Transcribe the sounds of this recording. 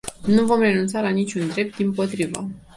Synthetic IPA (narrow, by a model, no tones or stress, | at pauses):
nuvo̞mre̞nunt̪salanit͡ʃʲund̪ɾe̞p̚t̪̚d̪impo̞t̪ɾivə̰